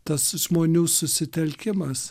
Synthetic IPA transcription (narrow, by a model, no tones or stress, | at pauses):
t̪ɐsʒmoːnʲuːsʊsʲɪt̪ʲɛlʲkʲɪmɐs